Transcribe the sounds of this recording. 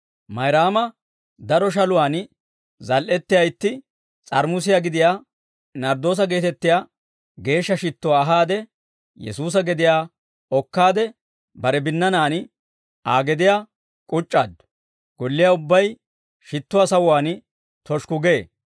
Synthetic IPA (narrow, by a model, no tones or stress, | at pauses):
mɐjɾaːmɐ | d̪ɐɾɔʃ̬ɐlʊwaːn | zɐlʔɛt̪ːɪjɐjt̪ːɪ | t͡sʼɐɾmʊs̬ɪjaːɡɪd̪ɪjaː | nɐɾd̪o̞ːs̬ɐɡe̞ːt̪ɛt̪ːɪjaː | ɡe̞ːʃːɐʃɪt̪ːʊwaːɦaːd̪ɛ | jɛ̰suːs̬ɐɡɛd̪ɪjaː | ɔkːaːd̪ɛ | bɐɾɛbɪnːɐnaːn | aːɡɛd̪ɪjaː | kʼʊt͡ʃʼːaːd̪ | ɡ̥ɔlːɪjaːʊbːɐj | ʃɪt̪ːʊwaːsɐwwaːn | t̪ɔʃkʊɡe